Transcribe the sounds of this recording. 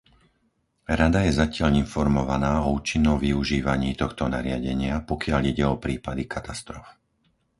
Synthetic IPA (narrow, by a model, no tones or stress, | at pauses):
ɾad̪ajɛzacɪaʎinfɔɾmɔʋanaːɔuːt͡ʃinːɔmʋiuʒiːʋaɲiːt̪ɔxt̪ɔnaɾɪaɟɛɲɪapɔkɪaʎiɟɛɔpɾiːpad̪ikat̪ast̪ɾɔf